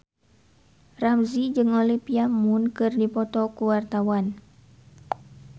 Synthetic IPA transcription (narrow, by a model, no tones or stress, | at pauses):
ramzid͡ʒɨŋolipiamunkɨrdipɔt̪ɔkuwart̪awan